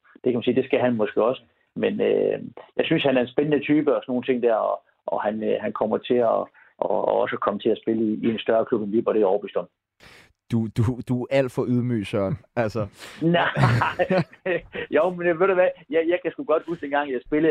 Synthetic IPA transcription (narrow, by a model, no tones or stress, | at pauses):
d̥ekʰæmænsiːd̥e̝sɡ̥æɦænmɒ̽sɡ̥eɒ̽sə̥ | menø̰jɑ̈ɪsynshænæɐe̝nsb̥enənət͡sʰyːb̥əɒsɒno̝ːn̩t͡sʰe̝ŋ̰d̥æɐ̰ɒ | ʔɒ̽hænøhænkʰɒ̽m̰ɐt͡sʰe̝ɒ | ʔɒɒ̽səkʰɒ̽mət͡sʰe̝æsb̥e̝ləiiensd̥ɶɐkʰlub̥enlib̥ɒ̽ɾ̥ejɒʊb̥ysd̥ɒm | d̥ud̥ud̥uæl̰d̥fɒʔuð̞ˠmy̰ːsœɐnælsɐnæ | joʊmenjæʋeɾ̥uʋæjæjɑɪkʰæsɡ̥uɡ̥ɒ̽d̥husd̥enɡɑ̈ŋ̰jɑsb̥e̝lə